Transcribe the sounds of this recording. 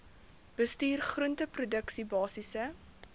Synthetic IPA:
b̥əstyːrχruəntəprudəksibɑːsisə

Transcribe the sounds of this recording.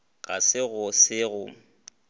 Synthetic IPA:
ɣa̰sɪɣʊsɪɣʊ

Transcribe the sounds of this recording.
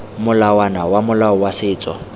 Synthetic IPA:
mʊlawanawamʊlaɔwasɪːt͡sʼɔ̰

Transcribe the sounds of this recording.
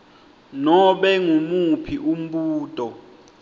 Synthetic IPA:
nɔɓɛŋumupʰiʔum̩ɓuːtʼɔ

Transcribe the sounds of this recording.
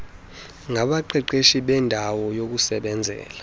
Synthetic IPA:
ŋʱaɓaǃʰɛǃeʃiɓɛndʱawɔjok̬usɛɓɛnd͡zʱɛ̰ːla

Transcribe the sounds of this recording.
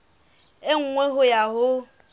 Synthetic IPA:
eŋ̩ŋʷeɦʊjaɦʊ

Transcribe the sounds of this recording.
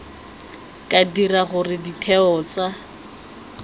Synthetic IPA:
kʼadiraχʊrɪditʰɛɔːt͡sa

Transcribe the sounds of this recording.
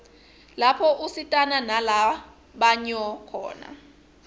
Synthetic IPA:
lapʰɔʔusitʼananala | ɓaɲɔkʰɔ̰ːna̰

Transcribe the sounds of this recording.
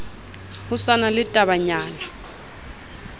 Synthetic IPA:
husanalɪtʼaβaɲaːna

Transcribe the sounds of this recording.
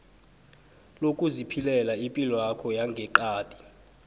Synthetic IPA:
lokʼuzipʰilɛlaimpʼilwakʰɔjaŋɡʱɛǃaːdʼi̥

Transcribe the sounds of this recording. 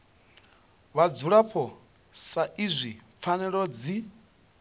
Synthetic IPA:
βad͡zuɺaɸʰɔ | saizʷip̪fʰanɛɺɔd͡zi

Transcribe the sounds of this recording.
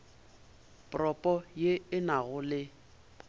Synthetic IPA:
pʼrɔpʼɔjeɪnaɣʊlɪ

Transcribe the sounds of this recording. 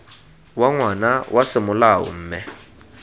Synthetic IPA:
waŋwanawʔasɪmʊlaɦɔ̰m̩ːmɛ

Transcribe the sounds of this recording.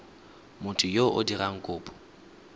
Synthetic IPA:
mʊtʼʊjoʔʊ̰diraŋ̩kʼʊːpʼɔ̥

